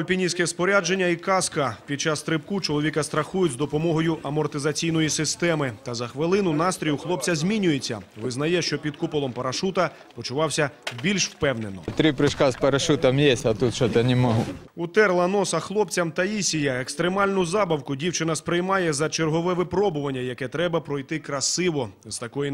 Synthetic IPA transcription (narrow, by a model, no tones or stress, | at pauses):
ɔlʲpʲinʲisʲkɛspɔɾʲad͡ʒe̞nʲːɐikɑskɐpʲid̪̚t͡ʃɑst̪ɾɪpkut͡ʃɔlˠɔʋʲikɐst̪ɾɐxujʊtʲzd̪ɔpɔmɔɦɔjʊʔɐmɔrt̪ɪzɐt͡sʲijn̪ɔjisɪst̪ɛmɪt̪ɐzɐxʋɪlˠɪnʊnɑst̪ɾʲijʊxlˠɔp̚t͡sʲɐzʲmʲinʲʊjet͡sʲːɐ̰ʋɪznɐjɛʃt͡ʃɔpʲid̪kupɔlˠɔmpɐɾɐʃut̪ɐ | pɔt͡ʃʊʋɑwsʲɐbʲilʲʃwpɛwne̞nɔt̪ɾʲipɾɪʃkɑspɐɾɐʃut̪ɐmjɛsʲɐt̪ut̪ʃɔt̪nʲɪmɐɦu | ʊt̪ɛrlˠɐnɔsɐxlˠɔpt͡sʲɐmt̪ɐisʲijɐekst̪ɾemɑlʲnʊzɑbɐwkʊdʲiwt͡ʃɪnɐspɾɪjmɑjɛzɐt͡ʃerɦɔʋɛʋɪpɾɔbʊʋɐnʲːɐjɐkɛt̪ɾɛbɐpɾɔjt̪ɪkɾɐsɪʋɔz̥t̪ɐkɔji